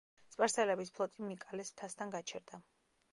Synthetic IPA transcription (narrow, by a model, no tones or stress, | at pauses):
spʼaɾsɛlɛbispʰlˠɔt̪ʼimikʼalɛst̪ʰast̪ʰanɡat͡ʃʰɛ̰ɾd̪̥a